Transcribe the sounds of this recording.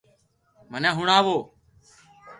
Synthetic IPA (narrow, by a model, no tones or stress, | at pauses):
mənãːɦʊɳaːʋoː